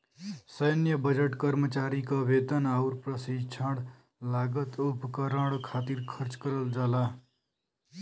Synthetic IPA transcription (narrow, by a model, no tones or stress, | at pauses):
səjnjəbəd͡ʒəʈkəɾmət͡ʃaːɾikaʋed̪ənauɾpɾəsid͡ʒt͡ʃʰəɽ | laːɡət̪upkəɾə̃ɽkʰaːt̪iɾkʰəɾt͡ʃkəɾəld͡ʒaːla